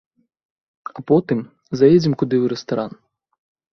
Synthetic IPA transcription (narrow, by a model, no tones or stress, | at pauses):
ɐpɔt̪ɪm | zɐjed͡zʲɪmkʊd̪ɪwɾest̪ɐɾɑn